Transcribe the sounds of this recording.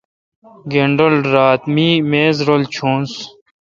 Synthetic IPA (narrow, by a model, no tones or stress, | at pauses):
ɡeːɳɖəlɖɾaːt̪miːmeːzɾoːlt͡ɕʰõːns